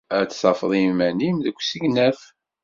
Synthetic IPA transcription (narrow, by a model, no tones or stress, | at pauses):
æt͡sːsɑfəðˤimænimðəkʷːsəɡnæθ